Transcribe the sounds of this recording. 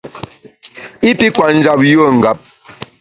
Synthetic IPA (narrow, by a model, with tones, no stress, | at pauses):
i˦pi˦kwa˨n̩˦d͡ʒa˦p̚jo˦˨ŋ̩˨ɡa˨p̚